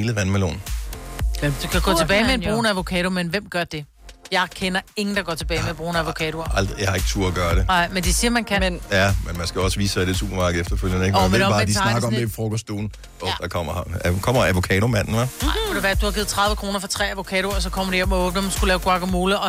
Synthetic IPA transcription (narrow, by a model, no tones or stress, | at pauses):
ləʋænmelo̰ːn | d̥kʰæɡ̥ɔ̽t͡sʰeb̥ɛ̰ːɪmeenbʁo̝ːnəæʋo̝kʰɛːɾ̥omenʋem̰ɡ̥ɶɐd̥e̝ | jɑ̈ɪkʰenɐe̝ŋn̩d̥ɑ̈ɡɒt͡sʰe̝b̥ɛːɪmeb̥ʁoːnəæʋo̝kʰɛːɾ̥o̝ɐɑl̰d̥ʁijɑ̈hɑ̈e̝ɡ̥t͡sʰṵɐæɡ̥ɶːɐɾe̝ɑ̈ɪ̰mend̥esiːɐmænkʰænnjæmenmænsɡ̥æɒ̽səʋḭːsad̥e̝t͡sʰṵːb̥ɐmɑ̈ːɡ̥̩efd̥ɐføl̰jənəeɡmeɒbɑ̈mdisnɑɡɐɒefʁɔkʰɒsd̥o̰ːn̩ | ɔd̥ɑkʰɒm̰ɐkʰɒ̽m̰ɐæʋo̝kʰɛːɾomæn̰n̩ʋænɑ̈ʋod̥e̝ʋæːɐd̥uhɑ̈ɡið̩ˠt͡sʰʁɑ̈ð̞ˠʋəkʁo̝ːnɐfɒ̽t͡sʰʁɛ̰ːæʋo̝kʰɛːɾo̝ɐsɒ̽kʰɒ̽m̰ɐɾ̥iɒmɔ̽b̥nəmænsɡ̥ulɛːʊɡ̥wɑ̈ɡ̥ɐmoːləɒ̽